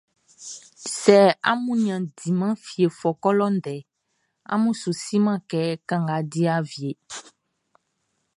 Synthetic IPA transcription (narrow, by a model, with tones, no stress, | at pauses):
sɛ˨a̰˦mũ˦ɲ˦ã˨di˨mã˦fi˨e˨fɔ˨kɔ˦lɔ˦n˦ɖɛ˨ | a̰˦mũ˦su˨si˦mã˦kɛ˦kã˦ŋɡa˨di˦a˦vi˨e˨